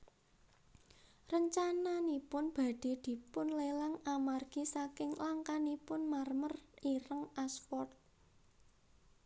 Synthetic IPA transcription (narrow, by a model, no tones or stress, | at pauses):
rəɲt͡ʃananipʊnb̥a̤ɖ̪̥e̤d̪̥i̤pʊnlelaŋamarɡ̥isakɪŋlaŋkanipʊnmarməriɾəŋaspɔrt̪̚